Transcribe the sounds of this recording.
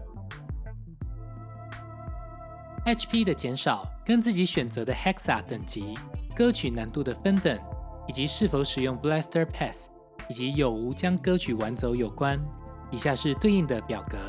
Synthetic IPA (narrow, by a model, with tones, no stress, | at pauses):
ɛ˥t͡ʃʰpʰi˥d̪ə˨t͡ɕjɛ˧˥nʂɑ˨˩ʊkə˥nt͡sɹ̩˥˩t͡ɕi˨˥˦ɕɥɛ˨˩nt͡sə˧˦d̪ə˧hɛ˥ksa̰˨˩t̪ə˨˩ŋt͡ɕi˧˥kɤ˦˥t͡ɕʰy˨˩na˧˦nt̪u˥˩d̪ə˩fə˦nt̪ə˨˩˦ŋi˨˩t͡ɕi˧˦ʂɻ̩˥˩fo˧˥ʊʂɻ̩˨˩jʊ˥˩ŋplɛ˥st̪ə˥pʰɛ˥˩s | i˨˩t͡ɕi˧˦jo˨˩ʊu˧˥t͡ɕjɑ˥ŋkɤ˥t͡ɕʰy˨˩wa˧˦nt͡so˧˥ʊjo˨˩ʊkwa˦n | i˨˩ɕja˥˧ʂɻ̩˥˧t̪we˥˧ɪi˥˩ŋd̪ə˩pjɑ˨˩ʊkɤ˧˦